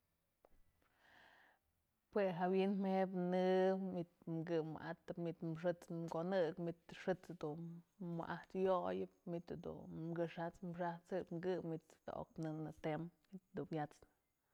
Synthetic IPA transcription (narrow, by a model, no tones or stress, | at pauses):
pweɦawinmhepnɨmit̪̚mɡɨmɨ̰ʔat̪ɨpmit̪mʂ̬ɨt͡smkonɨkmit̪ʂɨt͡sd̪unmɨ̰ʔaht̪jojɨp̚mit̪d̪ṵmɡɨʂat͡smʂat͡sɨpmɡɨmit̪d̪a̰ʔo̰k̚nɨnɨt̪emmit̪̚d̪ubjat͡sɨ